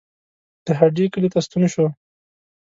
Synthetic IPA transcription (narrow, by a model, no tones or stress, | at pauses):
d̪̥əɦaɖikəlit̪ast̪unʃo